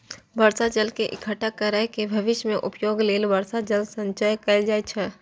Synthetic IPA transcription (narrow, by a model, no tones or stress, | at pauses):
bəɾsad͡ʒəlkeʔɪkʰəʈakəɾəɦkebʱɐʋɪʃjmẽʔʊpjoːɡleːlbəɾsad͡ʒəlsə̃ɲt͡ʃajkəld͡ʒaːet͡ʃʰɛ